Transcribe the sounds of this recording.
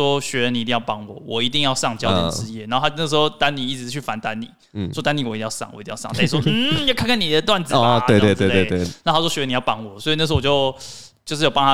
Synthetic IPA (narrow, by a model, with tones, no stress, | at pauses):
ɔ˥ɕɥɛ˧˥ɻə˧˦ni˨i˧t̪i˧jɑ˥˩pɑ˥ŋwɔ̰˨˦wɔ˨˩i˧˥t̪i˥˧ŋjɑ˥˧ʊʂɑ˥˧ŋt͡ɕjɑ˥ʊj̰ʈ͡ʂɻ̩˧jɛ˥˩na˨˩˥xo˥˧a˥˧nə˥˩ʂ̩˧˥xo˧ʊt̪a˦nni˨˩i˥˩ʈ͡ʂɻ̩˧˥t͡ɕʰy˥˩fa˧˦nt̪a˦nnḭ˨˦˨ | ɔ˥t̪a˥ni˨˩wi˧t̪ĩ˥˧jɑ˥˧sɑ̰˥˩ŋwɔ̰˨˩i˧t̪ĩ˥˧jt͡sa˥˩i˧˥wɔ˥n̩˥˩jkʰa˥nkə˥ni˨˩d̪ə˦t̪wa˥˩nt͡sɹ̩˨we˥˧t̪wt̪we˥˧˨e˥˧e˥˩na˥˧˨xa˥wɔ˥ɕni˨˩jɑ˥˧pɑ˧˥ŋwɔ˨˩swɔ˧˥i˨n˥˩ʂ̩˧˥˧ɔ˨˩jo˥˧ʊ | t͡ɕo˥˧ʊʂɻ̩˥˩jo˨˩pɑ˥nʰa˥